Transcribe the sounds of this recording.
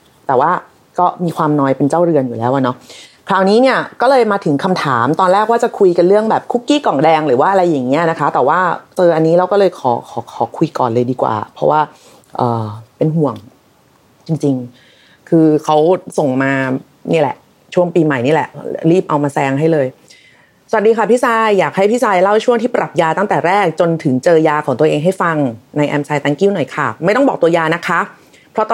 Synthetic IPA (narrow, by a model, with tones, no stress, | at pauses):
t̪ɛː˨˩waː˥˩ | kɔː˥˩miː˧kʰwaː˧mnɔː˦˥jpe˧nt͡ɕaː˥˩wɾɯ˧ənjuː˨˩lɛː˦˥wʔa˨˩nɔ˦˥ | kʰaː˨˩wniː˦˥ni˥˩ɐkɔː˥˩lɤː˧jmaː˧t̪ʰɯ˩˦ŋkʰa˧mt̪ʰaː˩˦mt̪ɔː˧nɾɛː˥˩k̚waː˥˩t͡ɕa˨˩kʰu˧jka˧nɾɯ˥˩əŋbɛː˨˩p̚kʰu˦˥kːiː˥˩kɔ˨˩ŋdɛː˧ŋɾɯː˩˦waː˥˩ʔa˧ɾa˧jːa˨˩ŋːi˦˥ɐna˦˥kʰa˦˥t̪ɛː˨˩waː˥˩t͡ɕɤː˧ʔa˧nːiː˦˥ɾa˦˥wkɔː˥˩lɤː˧jkʰɔː˩˦kʰɔː˩˦kʰɔː˩˦kʰu˧jkɔ̰ː˨˩nlɤː˧jdiː˧kwa̰ː˨˩pʰɾɔ˦˥waː˥˩ | ʔɤː˨˩pe˧nɦu˨˩əŋ | t͡ɕi˧ŋt͡ɕi˧ŋ | kʰɯː˧kʰa˦˥wso˨˩ŋmaː˧ | niː˥˩˨lɛ̰˨˩ʔ | t͡ɕʰu˥˩əŋpiː˧ma˨˩jniː˦˥˩lɛ˨˩ʔɾiː˥˩p̚ʔa˧wmaː˧sɛː˧ŋɦa˥˩jlɤː˧j | sa˨˩˨t̪̚diː˧kʰa˥˩pʰi˦˥saː˧jːaː˨˩k̚ha˥˩jpʰi˦˥˩saː˧jla˥˩wt͡ɕʰu˥˩ŋt̪ʰiː˥˩pɾa˨˩p̚jaː˧t̪a˥˩ŋt̪ɛː˨˩ɾɛː˥˩k̚t͡ɕo˧nt̪ʰɯ˩˦ŋt͡ɕɤː˧jaː˧kʰɔː˩˦t̪əʔeː˧ŋɦa˥˩jfa˧ŋna˧jʔɛː˧msaː˧jt̪aː˦˧˥ŋkiː˦˥˩wnɔ˨˩jkʰa˥˩ma˥˩jt̪ɔ˥˩ŋbɔː˨˩k̚t̪u˧jaː˧na˦˥kʰa˦˥ | pʰɾɔ˦˥t̪ɔ˥